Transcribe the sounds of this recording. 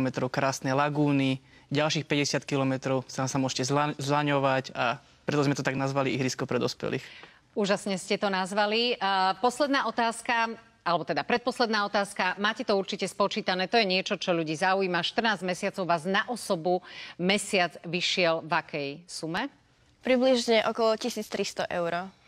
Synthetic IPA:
mɛt̪ɾɔʊkɾaːsnɛjlaɡuːni | ɟalʃiːxpɛɟɛsɪat̪kilɔmɛt̪ɾɔʊsaːmsamʊɔʒcɛzlzlaɲɔʋaca | pɾɛt̪ɔzmɛt̪ɔt̪aɡnazʋaliiɦɾiskɔpɾɛd̪ɔspɛ̰lḭːx | uːʒasɲɛscɛt̪ɔnazʋalipɔslɛd̪naːɔt̪aːska | alɛbɔt̪ɛd̪apɾɛt̪̚pɔslɛd̪naːɔt̪aːskamaːcɛt̪ɔuɾt͡ʃicɛspɔt͡ʃiːt̪anɛːt̪ɔjɛɲɪɛt͡ʃɔt͡ʃɔʎuɟiːzaujiːmaʃt̪r̩naːzɟmɛsɪat͡sɔʊʋaːznaʔɔsɔbumɛsɪad͡zʋiʃɪɛlʋakʰɛjsumɛ | pɾibliʒɲɛʔɔkɔlɔcisiːt͡st̪ɾist̪ɔʔɛʊɾɔ

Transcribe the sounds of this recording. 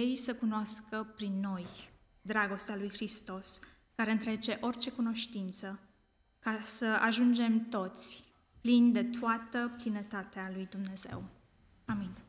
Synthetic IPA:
ejsəkunoaskəpɾinːo̞j | d̪ɾaɡo̞st̪ealujxɾist̪o̞s | kaɾe̞ɨnt̪ɾe̞t͡ʃe̞ʔo̞rt͡ʃe̞kuno̞ʃt̪int̪sə | kasəa̰ʒund͡ʒe̞mt̪o̞t̪sʲ | plind̪e̞t̪oat̪əplinət̪at̪ealujd̪umne̞ze̞̰w | amin

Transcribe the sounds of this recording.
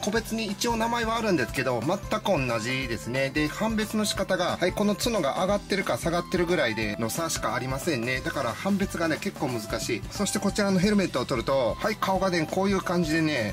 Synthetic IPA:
ko̞be̞t͡sɨɲ̟iːt͡ɕio̞ːnamaeβaːɾɯ̟̃nd̪e̞sɨ̥ke̞d̪o̞mat̪ːakɯ̟õ̞nːaʑid̪e̞sɨne̞d̪e̞hãmbe̞t͡sɨno̞ɕi̥kat̪aɡahaiko̞no̞t͡sɨno̞ɡaʔaɡat̪ːe̞ɾɯ̟kasaɡat̪ːe̞ɾɯ̟ɡɯ̟ɾaid̪e̞no̞saɕi̥kaːɾʲimasẽ̞nːe̞d̪akaɾahãmbe̞t͡sɨɡane̞ke̞kːoːmɯ̟zɨkaɕiːso̞ɕi̥t̪e̞ko̞t͡ɕiɾano̞ɦe̞ɾɯ̟me̞t̪oːt̪o̞ɾɯ̟t̪o̞haikʰao̞ɡane̞ko̞ːjɯ̟ːkãɲ̟d͡ʑid̪e̞ne̞

